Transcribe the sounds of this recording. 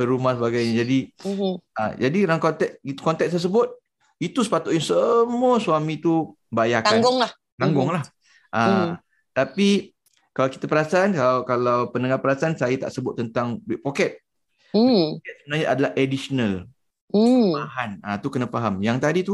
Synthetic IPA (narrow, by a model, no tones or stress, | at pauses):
pəɾumahsəbaɡajɲad͡ʒadi | ad͡ʒadiɾaŋkɔnt̪ɛkit̪u̥kɔnt̪ɛk̚t̪əs̬əbʊt̪̚ | it̪usə̥pat̪ʊʔ̪jaŋsəmuasuamĩt̪u | bajakaaŋɡʊŋlah | kaŋɡʊŋlah | ʔa | t̪api | kalawkit̪apəɾasaankalawkalawpənəŋahpəɾasaansajat̪a̰ʔsəbʊt̪̚ːənt̪aŋbɪʔ̚pokɛt̪̚ | okɛt̪̚səbənarɲaʔadalahʔedisənal | baɦanat̪ukənafaɦamjaŋt̪adit̪u